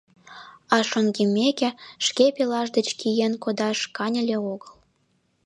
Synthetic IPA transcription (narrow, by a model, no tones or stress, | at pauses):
ɑʃoŋɡimʲekʲĕʃkepelɑʒd̪ə̆t͡ɕkijenkod̪ɑʃkɑnʲə̆lʲeoɣəl